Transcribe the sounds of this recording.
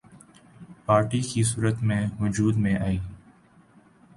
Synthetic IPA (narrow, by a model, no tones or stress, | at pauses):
paːɾʈiːkʰiːs̬uːɾət̪mẽːɦʊd͡ʒuːd̪mẽʔaːiː